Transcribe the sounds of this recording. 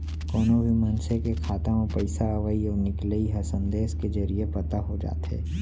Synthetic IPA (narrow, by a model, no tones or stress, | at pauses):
kɔːnobʱimɐ̃nsekekʰaːt̪ãopɐɪsaɐʋəiɔːɾnɪkləiɦɐsə̃nd̪eːsked͡ʒɐɾiepɐt̪aɦod͡ʒa̰ːt̪ɦḛː